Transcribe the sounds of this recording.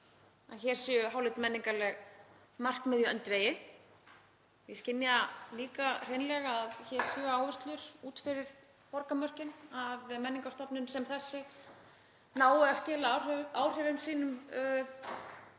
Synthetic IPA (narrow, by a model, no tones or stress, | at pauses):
a̰ðçɛɾ̥sʏːʏɦaːwlɪt̪mɛnːiŋkalɛɣ | mar̥kmɪðjʏœnt̪veːjɪ | jɪscɪnːjaliːkar̥ejnlɛɣaaðçɛɾ̥sʏːaːwvɛst̪lʏɾ̥uːt̪fɪɾɪɾ̥ | pɔɾkamœr̥cɪnaðmɛnːiŋkast̪ɔpnʏnsɛmθɛsːɪ | naːwɪascɛːlaraːwr̥ɛvɪmsiːnʏm